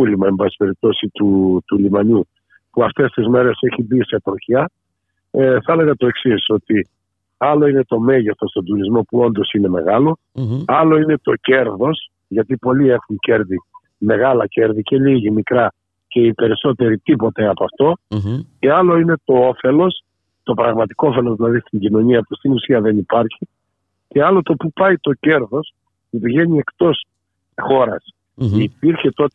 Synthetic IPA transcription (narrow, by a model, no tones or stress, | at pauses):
ulimɐembɐsi̥pe̞ɾip̚t̪o̞sit̪ut̪ulimɐɲu | puɐft̪e̞st̪izme̞ɾe̞se̞çibiset̪ɾoçiɐ | θɐele̞ɣɐt̪o̞e̞ksiso̞t̪i | ɐlo̞ine̞t̪o̞me̞ʝeθo̞st̪o̞nd̪uɾizmo̞puo̞nd̪o̞sine̞me̞̰ɣɐlo̞ | ɐlo̞ine̞t̪o̞ce̞ɾðo̞s | ʝɐt̪ipo̞lie̞xuce̞ɾði | me̞ɣɐlɐce̞ɾðice̞liʝimikɾɐ | ce̞ipe̞ɾiso̞t̪e̞ɾit̪ipo̞t̪eɐpɐft̪o̞ceɐlo̞ine̞t̪o̞ofe̞lo̞s | t̪o̞pɾɐɣmɐt̪i̥koofe̞lozðilɐðist̪iɲɟino̞ɲiɐpust̪inusiɐðe̞nipɐɾçi | ce̞ɐlo̞t̪o̞pupɐit̪o̞ce̞ɾðo̞s | pupiʝe̞ɲie̞kt̪o̞s | xo̞ɾɐs | ipiɾçe̞t̪o̞t̪e